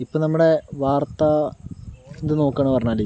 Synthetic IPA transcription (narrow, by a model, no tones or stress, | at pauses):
ipːoːnɐmːuɽe̞ʋaːrt̪ɐ | end̪ɨno̞ːkːaːɳːpɐrɐɲːaːle